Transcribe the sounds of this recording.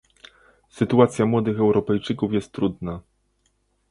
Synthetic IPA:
sɘt̪uat̪sʲjamwɔd̪ɘxɛwɾɔpɛjt͡ʂɘkufjɛst̪ːɾud̪na

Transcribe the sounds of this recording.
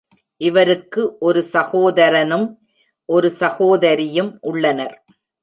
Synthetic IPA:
ʔɪʋɐɾɯkːɯʔɔɾɯsɐɣoːðɐɾɐnɯm | ʔɔɾɯsɐɣoːðɐɾɪjɯmʔʊɭːɐnɐɾ

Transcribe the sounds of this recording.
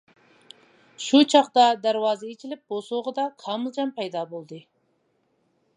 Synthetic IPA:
ʃut͡ʃʰɑχd̪ɑd̪æɾwɑːzɪit͡ʃʰilɪp̚bosʊʁəd̪ɑkʰɑːmɨlˠd͡ʒɑmpʰɛjd̪ɑbolˠd̪ɨ

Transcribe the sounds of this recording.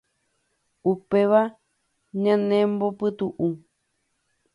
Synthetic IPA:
upeʋa | ɲãnẽmbopɨt̪uʔũ

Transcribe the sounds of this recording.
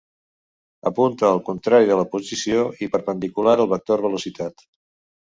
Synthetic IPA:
əpunt̪əːlˠkunt̪ɾaɾiðələpuzisioipəɾpənd̪ikulaɾəlˠβək̚t̪oɾβəlusit̪at̪

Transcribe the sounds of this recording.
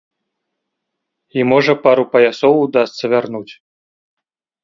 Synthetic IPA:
imɔʐɐpaɾupɐjasɔwud̪ast̪sɐvʲarnut͡sʲ

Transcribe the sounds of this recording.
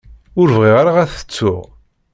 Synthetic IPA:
ʊɾvʁiʁaɾaʁæθə̥t͡sːʊʁ

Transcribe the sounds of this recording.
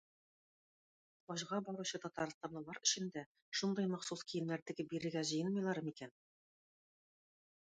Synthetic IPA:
ɒʑʁɑbɒɾuɕɤt̪ɒt̪ɑɾst̪ɑblˠɤ̆lˠɑɾɵ̆ɕɘ̆nd̪æ | ʃund̪ɑjmɑχsuskijɘ̆nnæɾt̪ɘ̆ɡɘp̚biɾɘ̆ɾɡæʑɤ̆jɤnmɤjlˠɑɾɤmikæn

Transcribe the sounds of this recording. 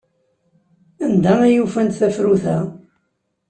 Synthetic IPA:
ænd̪æmæjufænt̪θæfɾuθæ

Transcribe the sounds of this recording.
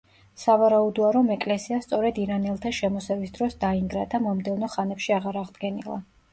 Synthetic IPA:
savaɾaud̪ɔaɾɔmɛkʼlɛsiast̪sʼɔɾɛd̪iɾanɛlˠt̪ʰaʃɛmɔsɛvisd̪ɾɔsd̪aiŋɡɾad̪amɔmd̪ɛvnɔχanɛpʃiaʁaɾaʁd̪ɡɛnḭlˠa̰

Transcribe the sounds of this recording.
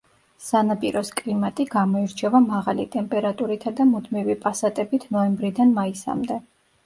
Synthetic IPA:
sanapʼiɾɔskʼlimat̪ʼiɡamɔiɾt͡ʃʰɛvamaʁalḭt̪ʼɛmpʼɛɾat̪ʼuɾit̪ʰad̪amud̪mivipʼasat̪ʼɛbit̪ʰnɔɛmbɾid̪anmaisa̰md̪ɛ

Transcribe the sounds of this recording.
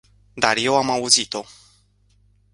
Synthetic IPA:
d̪arje̞wamauzit̪o̞

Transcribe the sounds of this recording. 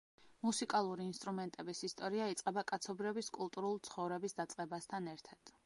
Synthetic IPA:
musikʼalˠuɾiːnst̪ʼɾumɛnt̪ʼɛbisist̪ʼɔɾiait̪sʼqʼɛbakʼat̪sʰɔbɾiɔbiskʼulˠt̪ʼuɾulˠt̪sʰχɔvɾɛbisd̪at̪sʼqʼɛbast̪ʰanɛɾt̪ʰad̪̥

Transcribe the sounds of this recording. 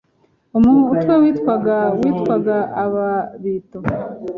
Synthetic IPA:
umuːn̥uːtwawiːtkʷwaɡawitkwaɡaːβaβiːto

